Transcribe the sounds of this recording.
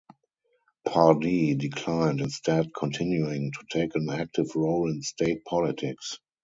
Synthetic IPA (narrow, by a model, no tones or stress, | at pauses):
pʰadidɪkʰlãɪ̃ntɪ̃nstʰɛdkʰɔ̃ntʰɪ̃njuɪ̃ŋtʰu̥tʰeɪkə̃næk̚tɪvɹoʊlɪ̃nstʰeɪt̚pʰɔlɪtʰɪks